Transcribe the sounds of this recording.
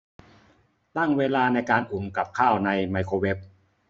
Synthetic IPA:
t̪a˥˩ŋweː˧laː˧na˧jkaː˧nʔu˨˩mka˨˩p̚kʰaː˥˩wna˧jma˧jkʰoː˧we˦˥p̚

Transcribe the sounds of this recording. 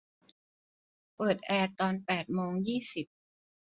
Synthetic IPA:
pɤː˨˩t̪̚ʔɛː˧t̪ɔː˧npɛː˨˩t̪̚moː˧ŋjiː˥˩si˨˩p̚

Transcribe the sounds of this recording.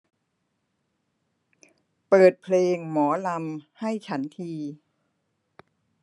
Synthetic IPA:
pɤː˨˩t̪̚pʰleː˧ŋmɔː˩˦la˧mha˥˩jt͡ɕʰa˦˥nt̪ʰiː˧

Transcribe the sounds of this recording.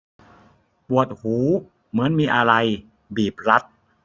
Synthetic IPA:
pu˨˩ət̪̚huː˩˦ | mɯ˩˦ənmiː˧ʔa˧ɾa˧j | biː˨˩p̚ɾa˦˥t̪̚

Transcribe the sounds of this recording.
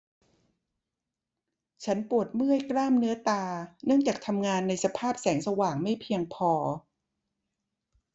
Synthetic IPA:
t͡ɕʰa˦˥npu˨˩ət̪̚mɯ˥˩əjkɾaː˥˩mnɯ˦˥ɐt̪aː˧nɯ˥˩əŋt͡ɕaː˨˩k̚t̪ʰa˧mŋaː˧nːa˧jsa˧pʰaː˥˩p̚sɛː˩˦ŋsa˧waː˨˩ŋma˥˩jpʰi˧əŋpʰɔː˧

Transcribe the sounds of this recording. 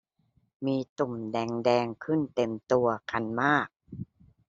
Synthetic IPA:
miː˧t̪u˨˩mdɛː˧ŋdɛː˧ŋkʰɯ˥˩nt̪e˧mt̪u˧ɐkʰa˧nmaː˥˩k̚

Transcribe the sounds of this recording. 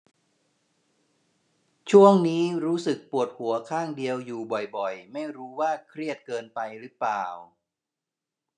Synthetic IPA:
t͡ɕʰu˥˩əŋniː˦˥ɾuː˦˥sɯ˨˩k̚pu˨˩ət̪̚hu˩˦ɐkʰaː˥˩ŋdi˧əwjuː˨˩bɔ˨˩jbɔ˨˩jma˥˩jɾuː˦˥waː˥˩kʰɾi˥˩ət̪̚kɤː˧npa˧jɾɯ˦˥plaː˨˩w

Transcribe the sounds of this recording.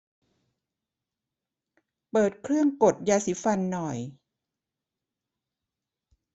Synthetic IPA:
pɤː˨˩t̪̚kʰɾɯ˥˩əŋko˨˩t̪̚jaː˧si˨˦˥fa˧nːɔ˨˩j

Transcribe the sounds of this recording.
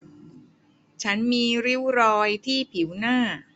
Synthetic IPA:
t͡ɕʰa˦˥nmiː˧ɾi˦˥wɾɔː˧jt̪ʰiː˥˩pʰi˩˦wnaː˥˩

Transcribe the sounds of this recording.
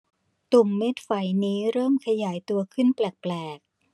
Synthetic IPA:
t̪u˨˩mːe˦˥t̪̚fa˨˩˦jniː˦˥ɾɤː˥˩mkʰa˧jaː˩˦jt̪u˧ɐkʰɯ˥˩nplɛː˨˩k̚plɛː˨˩k̚

